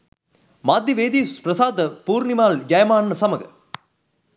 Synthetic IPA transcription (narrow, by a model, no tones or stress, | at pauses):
maːd̪ʱjɐʋeːd̪iːspɾɐsaːd̪ɐpuːɾnimaːld͡ʒɐjɐmaːɳːɐsɐmɐɡɐ̰